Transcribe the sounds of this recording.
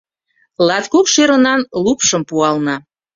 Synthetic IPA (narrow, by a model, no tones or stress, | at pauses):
lɑt̪kukʃeɾənɑnlupʃəmpuɑlnɑ